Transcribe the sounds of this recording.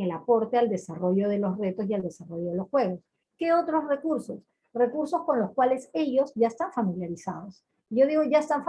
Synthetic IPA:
elapo̞ɾt̪e̞ald̪e̞saro̞ʝo̞ðe̞lo̞sre̞t̪o̞siald̪e̞saro̞jo̞ðelo̞sxwe̞ɣo̞s | ke̞ot̪ɾo̞sre̞kuɾso̞s | re̞kuɾsosko̞nlo̞skwale̞se̞ʝo̞sʝaest̪aɱfamiljaɾisað̞o̞s | ʝo̞ðiɣo̞ʝaest̪aɱf

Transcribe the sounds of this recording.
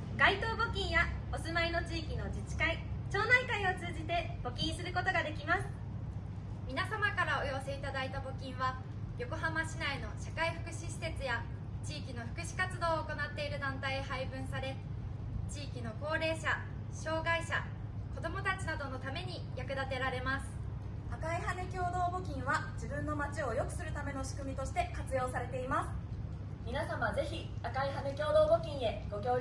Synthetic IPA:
ɡait̪o̞ːbo̞kʲĩɰ̃jaosɨmaino̞t͡ɕiːkʲino̞d͡ʑit͡ɕi̥kait͡ɕo̞ːnaikaio̞t͡sɨːʑit̪e̞b̥o̞kʲĩɰ̃sɨɾɯ̟ko̞t̪o̞ɡad̪e̞kʲimasɨ̥ | mʲinasamakaɾao̞jose̞it̪ad̪ait̪abo̞kʲĩɰ̃βa | jo̞ko̞ɦamaɕinaino̞ɕakaiɸɯ̟kɯ̟ɕiɕi̥se̞t͡sɨja | t͡ɕiːkʲino̞ɸɯ̟kɯ̟ɕi̥kat͡sɨd̪o̞ːko̞nat̪ːe̞iɾɯ̟d̪ãnt̪aihaibɯ̟̃ɰ̃saɾe̞ | t͡ɕiːkʲino̞ko̞ːɾe̞ːɕa | ɕo̞ːɡaiɕa | ko̞d̪o̞mo̞t̪at͡ɕinad̪o̞no̞t̪ame̞ɲ̟i | jakɯ̟d̪at̪e̞ɾaɾe̞masɨ̥ | akaihanekʲo̞ːd̪o̞ːbo̞kʲĩɰ̃βad͡ʑibɯ̟̃nːo̞mat͡ɕio̞jo̞kɯ̟̥sɨɾɯ̟t̪ame̞no̞ɕi̥kɯ̟mʲit̪o̞ɕi̥t̪e̞kat͡sɨjo̞ːsaɾe̞t̪e̞imasɨ̥ | mʲinasamaze̞çi | akaiɦanekʲo̞ːd̪o̞ːbo̞kʲĩɰ̃e̞ɡ̥o̞kʲo̞ː

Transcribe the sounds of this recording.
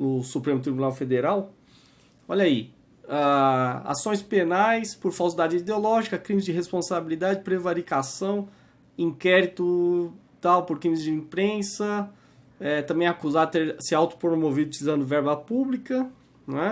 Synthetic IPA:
nʊsupɾẽmʊt̪ɾibunawfed̪eɾaw | ɔʎɐi | aa̰sõj̃spenajspoɾfawsid̪ad͡ʒɪid̪eolɔʒikɐkɾĩmɪzd͡ʒɪɦespõsabilid̪ad͡ʒɪpɾevaɾikasɐ̃w̃ | ĩkɛɾit̪ʊ | t̪awpoɾkɾĩmɪzd͡ʒɪĩpɾẽsɐ | ɛt̪ɐ̃mbẽj̃akuzadt̪eɾsɪawt̪ʊ̥pɾomovid̪ʊt͡ʃizɐ̃nd̪ʊvɛɾbɐpublikɐ | nɛ

